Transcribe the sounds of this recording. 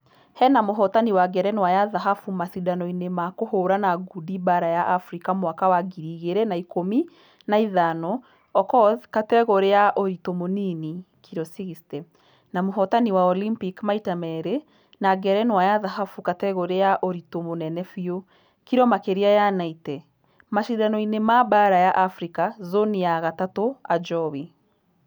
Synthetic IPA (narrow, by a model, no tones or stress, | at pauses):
hɛnamoɦɔtaniwaɡɛɾɛnwajaðaɦafumasidanɔinemakohoɾanaɡudibaɾajaʔafɾikamwakawaɡiɾiːɣeɾenaikomi | naiðanɔ | ɔkɔkatɛɣoɾeaʔoɾitomonini | kʰiɾɔsiɣistɛ | namoɦɔtaniwaɔlimpikmaitamɛɾe | naɡɛɾɛnwajaðaɦafukatɛɣoɾeaʔoɾitomonɛnɛfio | kiɾɔmakeɾiajanaitɛ | maʃiðanɔinemabaɾajaʔafɾikazoniaɣatatoad͡ʒɔwi